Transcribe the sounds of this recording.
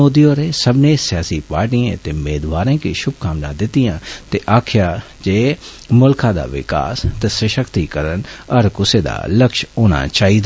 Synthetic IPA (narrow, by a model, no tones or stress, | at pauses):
oːd̪ijoːɾeːsəbneːsɪjaːsiːpaːɾʈiḛ̃t̪eːmeːd̪ʋaːɾẽːkiːʃʊbkãːmnãːd̪ɪt̪ːijãːt̪eːʔaːkʰjaː | d͡ʒeː | mʊlkʰãːd̪a̰ːʋɪ̰ka̰ːst̪eːsəʃəkt̪iːkəɾənəɾkʊseːd̪a̰ːləkʃoːna̰ːt͡ʃaːid̪aː